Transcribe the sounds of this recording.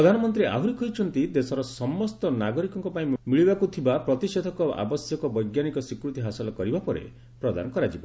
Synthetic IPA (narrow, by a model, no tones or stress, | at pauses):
ɔd̪ʱanɔmɔnt̪ɾiʔa̰ɦuɾikɔɦijt͡ʃʰɔnt̪id̪esɔɾɔsɔmɔst̪ɔnaɡɔɾikɔŋkɔpaĩmiɭibakut̪ʰibapɾɔt̪ised̪ʱɔkɔa̰bɔsjɔkɔbɔjɡjanikɔsikɾut̪iɦasɔlɔkɔɾibapɔɾḛ | pɾɔd̪a̰nɔkɔɾad͡ʒibɔ